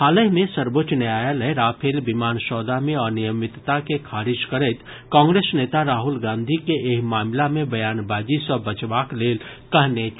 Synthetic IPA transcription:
haːləɦmẽsəɾbot͡ʃnaːjaləeɾaːpʰeːlbɪmaːnsɔːd̪amẽɔːɾnijəmɪt̪t̪akekʰaːɾɪʃkəɾət̪ | kãːŋɡɾeːsneːt̪aɾaːɦʊlɡãːnd̪ʱikeʔeːkmaːmlamẽbɐjaːnbaːd͡ʒisɔbət͡ʃʋaːkleːlkɐɦnet͡ʃ

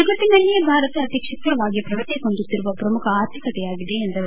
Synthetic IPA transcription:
ɐɡɐt̪ːinɐlːijbʱaːɾɐt̪ɐːt̪jɐkʂɐkːɐɐʋaːɡijɐpɾɐʋɐt̪ːikond̪ut̪ːiɾuʋɐpɾɐmukʰɐaːɾt̪ʰikɐt̪ɛjaːɡid̪eːnd̪ɐ

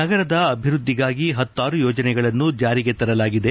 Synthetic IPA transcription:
nɐɡɐɾɐd̪ɐɐbʱiɾud̪ʱːiɡaːɡiɦɐt̪ːaːɾujoːd͡ʒɐnɛɡɐɭɐnːud͡ʒaːɾiɡet̪ɐɾɐlaːɡid̪e̞

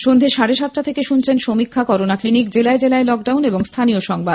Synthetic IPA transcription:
ʃond̪ʱeʃaɽeʃat̪ːɾat̪ʰekeʃunt͡ɕʰenʃomikʰːakɔɾonaklinik̚d͡ʑelaed͡ʑelaelɔk̚ɖawneboŋst̪ʰanioʃɔŋbad̪

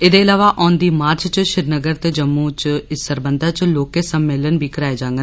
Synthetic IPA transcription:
ɪd̪eːɪlaːʋaːʔɔːnd̪iːmaːɾt͡ʃt͡ʃʃɪɾnəɡəɾt̪eːd͡ʒəmːũːt͡ʃɪsəɾbənd̪aːt͡ʃloːkeːsəmːeːlənbiːkəɾaːeːd͡ʒaːŋɡən

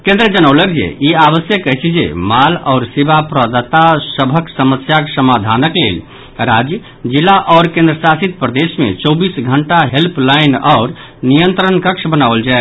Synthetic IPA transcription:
kẽnd̪ɾəd͡ʒənəwləkd͡ʒḛiaβəsjəkːəɦt͡ʃʰid͡ʒḛmalɔʊɾsebapɾəd̪at̪asəbʱəksəməsjakesəmad̪ʱanəklḛl | ɾad͡ʒjə | d͡ʒilaʔɔʊɾkẽnd̪ɾəsasit̪̚pɾəd̪esmḛt͡ʃɔwbisɡʱəɳʈaɦelplainɔʊɾ | nijənt̪ɾənkəkt͡ʃʰbənaʋəld͡ʒa

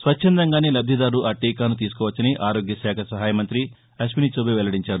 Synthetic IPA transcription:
sʋɐt͡ʃʰːɛnd̪ɐŋɡaːneːlɐb̚d̪ʱid̪aːɾuʔaːʈiːkaːnut̪̬iːsu̥kɔːʋɐt͡ʃːɐniʔaːɾoːɡjɐsaːkʰɐsɐɦaːjɐmɐnt̪ɾi | ɐsminit͡ʃoːbiʋɛlːɐɽiɲt͡ʃaːɾu

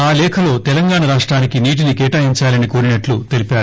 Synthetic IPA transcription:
aːlɛːkʰɐlo̞ːt̪ɛlɐŋɡaːɳɐɾaːʂʈɾaːnikiniːʈ̬inikɛːʈaːɦiɲt͡ʃaːlɐnikoːɾinɐʈlut̪e̞lipaːɾu

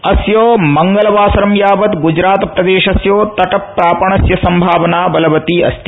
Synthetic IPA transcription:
ɐsjoːmɐŋɡɐlɐʋaːsɐɾɐmjaːʋɐt̪ɡud͡ʒɾaːt̪pɾɐd̪eːʃɐsjoːt̪ɐʈɐppːɾaːpɐɳɐsjɐsɐmbʱaːʋɐnaːbɐlɐʋɐt̪iɐ̰st̪i

